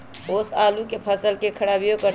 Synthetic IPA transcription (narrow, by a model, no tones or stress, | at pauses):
oːsaːlukepʰəsəlkekʰəɽaːbijokə